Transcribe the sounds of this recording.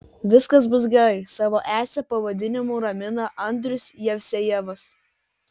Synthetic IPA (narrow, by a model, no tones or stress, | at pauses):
ʋʲɪskɐs̬bʊs̬ɡʲɛɾɐɪsɑːʋoːʔæːsʲɛpɐʋɐd̪ʲɪnʲɪmuːɾɐmʲɪnɐʔɐnʲd̪ʲɾʲʊsʲjɛʋʲsʲɛjɛʋɐs